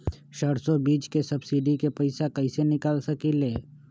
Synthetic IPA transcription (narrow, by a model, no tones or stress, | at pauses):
ʃəɽsobiːt͡ʃkesɐbsɪɖikepɐɪsakɐɪsenɪkaːlsɐkileː